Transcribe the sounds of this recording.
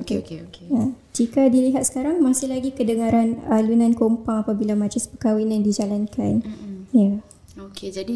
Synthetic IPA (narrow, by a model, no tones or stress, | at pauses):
okekeoeja | d͡ʒikadiliɦat̪sə̥kaɾaŋmasɪlaɡikədəŋaɾanəlunãnkompaŋapabilamad͡ʒɪspəkawinandid͡ʒalankʰanja | oked͡ʒadi